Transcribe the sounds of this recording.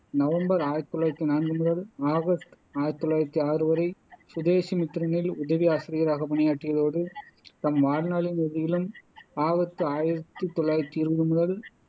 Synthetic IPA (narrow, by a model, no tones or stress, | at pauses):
nɐʋɐmbɐɾaːjɪɾɐt̪ːɔlːaːjɾɐt̪ːinaːnɡɯmʊðɐlaːɣɐst̪ | aːjt̪ːɔɭːaːjɾɐt̪ːiaːɾɯʋɐɾɐɪsʊðeːʃimɪt̪ːɪɾɐnɪlʊðɐʋiaːsɪɾɪjɐɾaːɣɐpɐɳɪjaːʈːɪjɐðoːɽɯt̪ɐmʋaːɻnaːɭɪnɛðɪjɪlɯmaːɣɐt̪ːɯaːjɪɾɐt̪ːɯt̪ɔɭaːɾɐt̪ːiɪɾɯʋɐðɯmʊðɐl